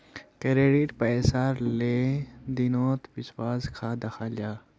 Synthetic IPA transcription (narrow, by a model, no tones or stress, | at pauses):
kəɾeːɖiʈpɛːsaːɾled̪inoːt̪piswaːzkʰaːd̪ɐxaːlaː